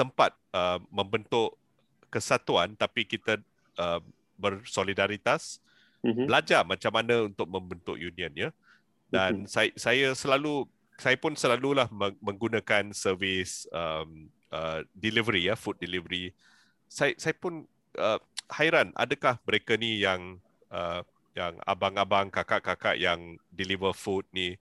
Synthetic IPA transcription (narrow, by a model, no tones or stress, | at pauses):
t̪əmpat̪̚əmmə̃mbənt̪ʊʔ | kəsat̪uant̪apikit̪ə | əm | bərsolidaɾit̪as | bəlad͡ʒamat͡ʃamːanə̃unt̪ʊk̚mə̃mbənt̪ʊ̰ʔjunĩə̃nja | dansasajəsəlalu | sajapʊnsəlalulahməmə̃ŋɡunãkansəvɪsəm | ʔədilivəɾijafut̪̚dilivəɾi | sajsajəpʊn | ʔəhaiɾanʔa̰dəkahməɾekənijaŋ | ʔə | ja̰ŋa̰baŋabaŋkakaʔkaka̰ʔjaŋdilivəfut̪̚ni